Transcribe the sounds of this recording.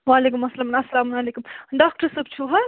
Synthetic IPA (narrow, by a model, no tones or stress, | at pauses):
waːleːkumɐsɐlɐmnɐsːɐlaːmunɐleːkumɖaːk̚ʈɐɾsɐb̚t͡ʃʰuɦɐ